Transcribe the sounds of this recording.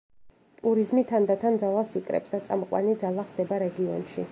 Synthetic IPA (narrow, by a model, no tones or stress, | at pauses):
t̪ʼuɾizmit̪ʰand̪at̪ʰand̪zalˠasikʼɾɛ̰psd̪at̪sʼa̰mɔqʼwa̰nid̪zalˠaχd̪ɛbaɾɛɡiɔnʃi